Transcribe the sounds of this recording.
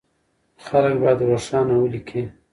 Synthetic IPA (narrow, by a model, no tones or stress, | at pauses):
xalək̚bɑjd̪əwaɾsɑnawəlikʰi